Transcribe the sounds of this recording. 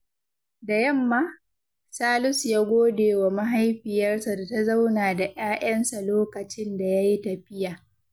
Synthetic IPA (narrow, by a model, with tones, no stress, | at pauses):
da˨jɐ˦mːaː˦ | saː˦lʊ˦sjaː˦ɡʷoː˦deː˨wa˨ma˦ɦa˦jɸɪ˨jɐ˦rsa˨da˨ta˦za˦wnaː˨da˨ʔaː˦ʔɐ˦nsa˨loː˦kɐ˨t͡ʃɪ˦nda˨ja˦ji˦tɐ˨ɸɪ˦jaː˨